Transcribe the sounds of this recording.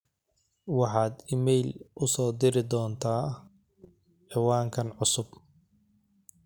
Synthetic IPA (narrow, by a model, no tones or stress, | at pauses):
wɑħɑːd̪ɪmɛjlʔʊsɔːd̪ɪɾɪd̪ɔːnt̪ʰaː | ʕɛwaːŋkʰɐnʕʊsʊb